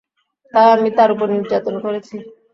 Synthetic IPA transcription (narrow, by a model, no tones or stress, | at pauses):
t̪aamit̪aɾup̬oɾniɾd͡ʑat̪onkoɾet͡ɕʰi